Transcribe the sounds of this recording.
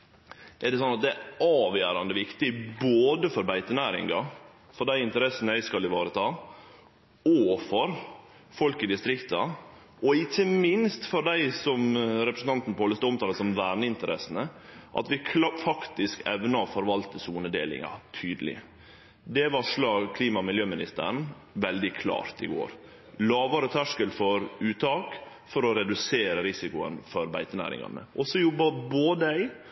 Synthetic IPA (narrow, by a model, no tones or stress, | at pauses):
ʔɛɖɛs̬ɔnːɑt̪̚d̪ɛæɑːʋjæːɾɑnd̪əʋɪkt̪ɪboːd̪əfɔɾbæɪt̪ənæːɾɪ̰ŋɡɑ | fɔɖæɪɪnt̪əɾɛsːnəæɪskɑlɪʋɑːɾət̪ʰɑː | ɔfɔɾ | fɔlkɪd̪ɪst̪ɾɪkt̪ɑ | ɔɪçəmɪnst̪fɔɾɖ̪æɪsɔmɾɛpɾəsn̩t̪ʰɑnt̪n̩poːləst̪ɔmt̪ɑːləsɔmʋæːɾɳəɪnt̪əɾɛ̰snəʔɑ̰t̪ʋɪkʰfɑkt̪ɪskɛ̰ʋnɑɔfɔɾʋɑlt̪əsuːnəd̪ḛːlɪ̰ŋɑ̰t̪ʰyːd̪əlɪ̰ | d̪ɛʋɑʂlɑːɡkʰliːmɑmɪljøːmɪnɪst̪ə̰ɾɳ̩ | ʋɛld̪ɪkʰlɑ̰ːɾt̪ɪɡo̰ːɾ | lɑːʋɑɾət̪ʰæʂkəlfɔɾʉːt̪ʰɑːk | fɔɾɔɾɛd̪ʉseːɾəɾɪsɪkʊə̰nfɔɾbæ̰ɪt̪ənæ̰ːɾɪ̰ŋɑ̰nə̰ʔɔsɔjɔbːɑboːd̪əæɪ